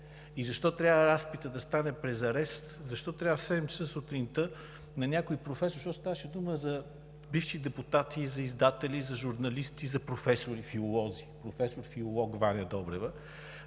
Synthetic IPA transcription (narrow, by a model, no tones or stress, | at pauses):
izɐʃt̪ɔt̪ɾʲjavvəɾaspit̪əd̪ɐst̪anɛpɾɛzɐɾɛst̪zɐʃt̪ɔt̪ɾʲavəsɛd̪ɛmsəsut̪ɾint̪ə | nɐnʲakoipɾofɛsʊɾʃɔst̪avəʃɛd̪uməzɐ | bifʃid̪ɛput̪at̪ʰizɐizd̪at̪ɛlizɐʒuɾnɐlist̪izɐpɾofɛsʊɾifiʊlˠɔzipɾofɛsoɾfiʊlˠɔɡvanʲɐd̪ɔbɾɛvə